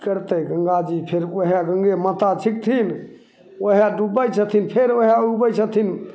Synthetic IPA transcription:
kəɾt̪əɡə̃ŋɡad͡ʒipʰeɾoɦaɡə̃ŋɡemət̪at͡ʃʰik̚t̪ʰin | oɦaɖubəjt͡ʃʰət̪ʰinpʰeɾoɦaubəjt͡ʃʰət̪ʰin

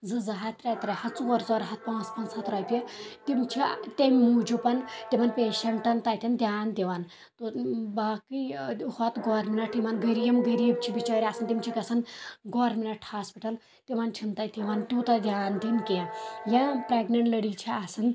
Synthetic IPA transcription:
zɨzɐɦat̪ɾat̪ɾɐhɐt͡suʋɐɾzɔːɾɦɐt̪̚pãːt͡spɐnt͡shɐt̪ɾɐːjt̪ʲit̪imt͡ʃʰit̪ʲemmud͡ʒupɐnt̪imɐnpeːʃɐɳʈɐnt̪aːt̪ʲind̪ʲjaːnt̪iʋan | t̪obaːkihɔt̪ɡɔːɾminɐʈ̪ʰiʋanɡɐɾiːmɡɐɾiːbt͡ʃʰibit͡ʃaːɾʲaːsɨnt̪imt͡ʃʰikɐsʰɐnɡoːɾminɐʈʰhaːspiʈɐl | t̪iʋaːnt͡ʃʰint̪aːt̪iʋant̪ʲuːt̪ɐd̪ʲjaːnd̪inkejãpɾeːɡnɐɳʈlɐɽiːt͡ʃʰiaːsɨn

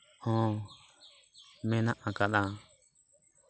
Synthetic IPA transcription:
hɔ̃ː | mɛnaʔãkaɗ̪a

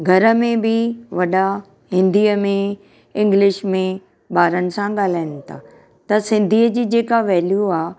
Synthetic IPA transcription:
ɡʱɐɾə̆mẽbɪʋɐɗa | ɦɪ̃nd̪iːəmẽ | ɪ̃ŋɡlɪʃmẽ | baːɾənɪ̆sãɠaːl̤aːɪnɪ̆t̪ʰa̰ː | t̪ɐsɪ̃nd̪ʱiːəd͡ʑiːd͡ʑeːkaʋɛːljuaː

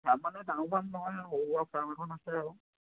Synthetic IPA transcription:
taɹmanɛtaʊ̃pʰanːɔɦɔjaɦoapʰɹamɛkʰɔnasɛaɹɔ

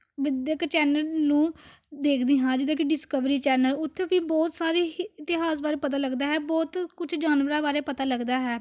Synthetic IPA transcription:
ʋɪd̪jəkt͡ʃɛːnəlnũːd̪eːkʰd̪iːɦãːd͡ʒɪd̪ãːk̬iɖɪskəʋɾiːt͡ʃɛːnəlʊt̪ʰːeːbiːbɔːt̪saːɾiːɪt̪ɪɦaːsbaːɾeːpət̪aːləɡd̪aːɦɛːbɔːt̪kʊt͡ʃʰd͡ʒaːnʋəɾaːbaːɾeːpət̪aːləɡd̪aːɦɛː

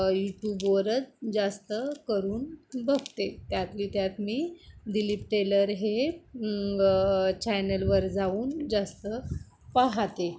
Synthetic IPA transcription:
juʈjuːbʋəɾət͡sd͡zast̪əkəɾuːnbəɡt̪et̪jat̪liːt̪jat̪miːd̪iliːp̚ʈeləɾɦe | t͡ɕɛnəlʋəɾd͡zauːnd͡zast̪ə | paɦt̪e

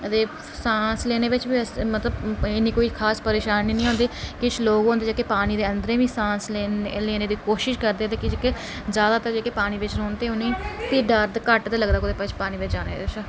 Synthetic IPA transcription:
ət̪eː | sãːsleːneːʋɪt͡ʃbiːsmət̪ləbɪniːkoːiːkʰaːspəɾeːʃaːniːnĩːɦõnd̪iːkɪt͡ʃʰloːɡɦõːnd̪eːd͡ʒeːkepaːniːd̪eːə̃nd̪əɾẽːʋĩːsãːsleːleːneːd̪iːkoːʃɪʃkəɾd̪eːət̪eːkɪd͡ʒke | zjaːd̪aːt̪əɾd͡ʒeːkeːpaːniːʋɪt͡ʃñːont̪eːʊnĩːp̪iɖəɾd̪kəʈt̪eːləɡd̪aːkʊd̪eːpət͡ʃʰpaːniːʋɪt͡ʃd͡ʒaːnḛːt͡ʃ

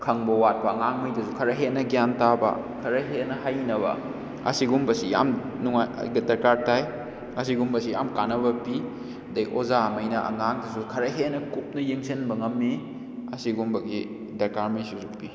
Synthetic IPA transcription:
kʰɐŋbɐwat̚pɐɐŋaŋmɐjdɐsukʰɐɾɐɦenɐɡjantabɐ̰ | kʰɐɾɐɦenɐhajnɐβɐ̰ | ɐ̰siɡumbɐsija̰m | nuŋaj̰ɡdɐɾkaɾtaj | ɐsiɡumbɐsijamkanɐbɐpi | dɐjʔozamɐjnɐʔɐ̰ŋaŋdɐsukʰɐɾɐɦenɐkup̚nɐjeŋsenbɐŋɐmːi | ɐsiɡumbɐɡi | dɐɾkaɾmɐjsusupi

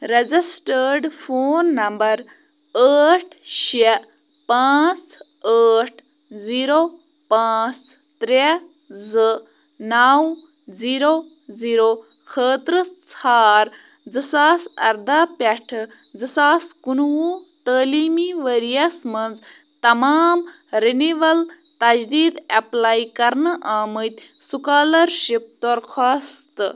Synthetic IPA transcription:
ɾezisʈəɖfoːnːɐmbɐɾ | əːʈʰʃe | pãːt͡s | əːʈʰ | ziːɾo | pãːt͡s | t̪ɾe | zɨ | naw | ziːɾo | ziːɾo | xəːt̪ɾɨt͡sʰaːɾ | d͡zɨsaːsɐ̰ɾd̪aːpeʈʰ | d͡zɨsaːskunwut̪əːliːmiʋəɾijɐsmɐnd͡z | t̪ɐmaːm | ɾiniʋɐl | t̪ɐd͡ʒd̪iːd̪ɐplaːjkɐɾnɨʔaːmət̪ʲ | sukaːlɐɾʃip̚d̪oɾxʰaːst̪ɨ

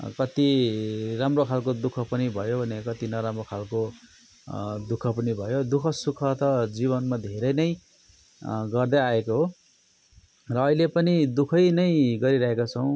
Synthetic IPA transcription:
kʌt̪iramrokʰalkod̪ukʰʌpʌnibʱʌjobʱʌnekʌt̪inʌɾamrokʰalko | d̪ukʰʌpʌnibʱʌjod̪ukʰʌsukʰʌt̪ʌd͡ziβʌnmad̪ʱeɾʌjnʌj | ɡʌrd̪aaekoɦo | rʌːilepʌnid̪ukʰʌjnʌjɡʌɾiɾʌɦekat͡sʰʌw̃

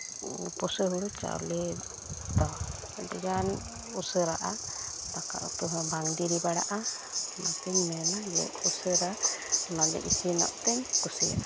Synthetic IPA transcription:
pɔsəɦuɽut͡ʃa̰lɛ | t̪ɔ | dɛjan | usəɾaʔat̪aka̰ʔṵt̪uɦbʱaŋdiɾibaɽa̰ʔa | mat̪iɲmɛnajɛ̰ʔusəɾanad͡ʒɛ̰ʔisinɔ̰ʔt̪ɛɲkusija̰

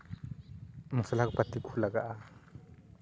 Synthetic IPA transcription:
musalak̚pat̪ikʰulaɡaʔa

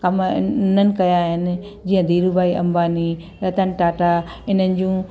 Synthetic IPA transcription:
kɐmn̤ənɪ̆kɐjaːɦɪnɪ̆ | d͡ʑiːə̃d̪ʱiːɾubaːiʔɐ̃mbaːni | ɾɐt̪ənɪ̆ʈaːʈa | ɪn̤ənɪ̆d͡ʑũː

